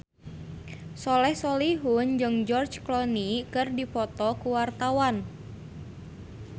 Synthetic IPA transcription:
sɔlɛhsɔliɦund͡ʒɨŋd͡ʒɔrt͡ʃklɔnikɨrdipɔt̪ɔkuwart̪awan

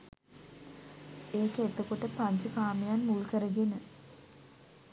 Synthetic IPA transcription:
eːkəet̪əkoʈəpaɲt͡ʃəkaːmejanmulkəɾəɡenə

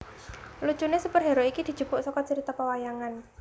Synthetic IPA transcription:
lut͡ʃunesupərɦeɾoikid̪̥i̤̥d͡ʒ̥ṳpʊʔsɔkɔt͡ʃəɾit̪apəwajaŋan

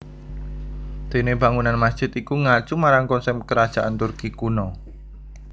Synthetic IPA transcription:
d̪̥e̤neba̤ŋunanmasd̥ʒ̥ɪt̪ikuŋḁʒ̥umaɾaŋkɔnsɛmkəɾad̥ʒ̥aʔant̪urkikunɔ

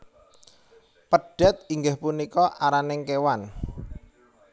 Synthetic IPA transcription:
pəɖ̥ɛ̤t̪̚iŋɡahpunikɔʔaɾanɪŋkewan

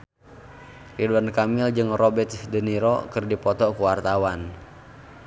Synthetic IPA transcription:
riduwankamɪld͡ʒɨŋrɔbɛt̪dəniɾɔ̰kɨrdipɔt̪ɔkuwart̪awan

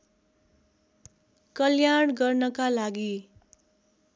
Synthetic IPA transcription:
kʌljaɳɡʌrnʌkalaɡi

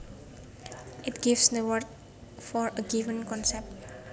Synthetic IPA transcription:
ʔɪtɡ̥ivsd̪əwəɹd̚ | fɔɹəɡivə̃nkɔ̃nsɛp̚t̚

